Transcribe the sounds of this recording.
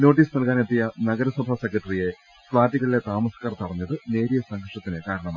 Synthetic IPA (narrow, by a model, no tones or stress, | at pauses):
no̞ːʈ̬ːiːsnɐlkaːnet̪ːijɐnɐɡɐɾɐswɐbʱaːsekːɾɐʈrije̞ | slaːd̪iɣɐɭile̞t̪aːmɐskaːrt̪ɨpɐrɐɲːɐðɨne̞ːɾijɐsɐŋɡʱɐʂɐt̪ːinɨkaːɾɐɳɐma